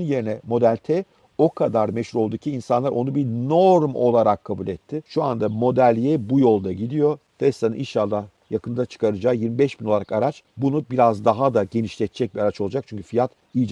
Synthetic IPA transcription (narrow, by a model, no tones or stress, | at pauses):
nje̞ɾinɛmo̞d̪ælʲt̪ʰɛ | o̞kʰad̪aɾmɛʃhuɾo̞lˠd̪uːcʰiːnsanlˠaɾʔo̞nubinoɾmo̞lˠaɾakʰːabulʲɛt̪ʰːɪʃuand̪amo̞d̪ælʲijɛbujo̞lˠd̪aɟid̪ijo̞ | d̪̥ɛst̪anɯniʃalːˠa | jakɯnd̪at͡ʃʰɯ̥kʰaɾɯd͡ʒaːjiɾmibɛʃb̥ino̞lˠaɾakaɾat͡ʃbunubiɾazd̪aɦad̪aɟe̞niʃlʲɛt̪̚t͡ʃʰɛc̚biaɾat͡ʃo̞lˠad͡ʒak̚t͡ʃʰyɲcʰy̥fijat̪ | ijd͡ʒ